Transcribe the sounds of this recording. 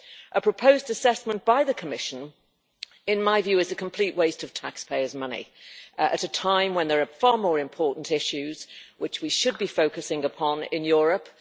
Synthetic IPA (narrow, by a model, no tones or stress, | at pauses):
ʔəpʰɹ̥əpʰoʊzdəsɛsmə̃nb̥aɪðəkʰəmɪʃə̃n | ɪ̃nmaɪvjʉːɪzəkʰə̃m̩pʰl̥iˑʔweɪstəv̥tʰakspʰeɪəzmʌnḭə̰ɾətʰãɪ̃mwə̃nðəɹəfɑːmɔːɹɪ̃mpʰɔˑʔn̩tɪʃʉz̥wɪt͡ʃwiʃəd̚bifoʊkəsɪ̃ŋəpʰɒ̃nɪ̰̃njɔːɹəp